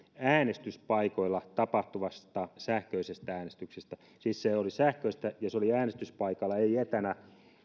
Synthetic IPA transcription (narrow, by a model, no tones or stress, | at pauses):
æːnest̪yspɑikoilːɑt̪ɑpɑht̪uʋɑst̪ɑsæhkøisest̪ææːnest̪yksest̪æ | siːsseolisæhkøist̪æjɑseoliæːnest̪yspɑikɑlːɑeiet̪ænæ